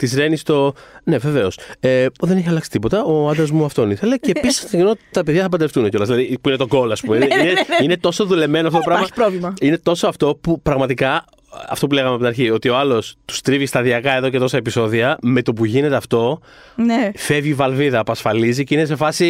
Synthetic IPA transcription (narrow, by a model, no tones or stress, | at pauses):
t̪izɾe̞nist̪o̞ne̞ve̞ve̞o̞seðe̞ne̞çiɐlɐksi̥t̪ipo̞t̪ɐʔoɐnd̪ɾɐzmuɐft̪o̞niθe̞le̞ceːpisisnot̪ɐpeðjʝɐθɐpɐd̪eft̪uneceo̞lɐzlɐðipuinet̪o̞ɡo̞loɐspumeineineine̞t̪o̞so̞ðule̞me̞noɐft̪otoɾɐɣmɐipɾovlimɐine̞t̪o̞so̞ɐft̪o̞pupɾɐɣmɐt̪ikɐ | ɐ̰ft̪o̞pule̞ɣɐmeɐpt̪inɐɾçio̞t̪io̞ɐlo̞st̪u̥st̪ɾivist̪ɐðiɐkɐeðo̞ce̞t̪o̞sɐe̞piso̞ðiɐme̞t̪o̞p̬uʝine̞t̪e̞ɐft̪o̞ | fe̞vivɐlviðɐːpɐsfɐliziceines̬e̞fɐsi